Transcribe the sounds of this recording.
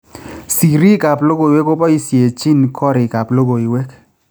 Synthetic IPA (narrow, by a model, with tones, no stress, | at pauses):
si˨ɾi˦ka˨plo˦ɡo˨i˨we˦ko˦pɔ˦i˦sje˨t͡ʃi˦nkʰɔ˦ɾɪ˨ka˨plo˦ɡo˨i˨we˦k